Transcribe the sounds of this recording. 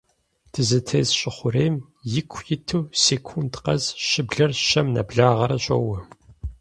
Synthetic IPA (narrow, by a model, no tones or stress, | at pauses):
tʰɨzɐtʰeːzɕʼɪχʷʊɾeːm | jɪkʷʰjɪtʰɨwseːkʷʰuntqɐ̰zʃɪbɮɐrʃɐmnɐ̰bɮaːʁɐɾɐɕʼo̰wɐ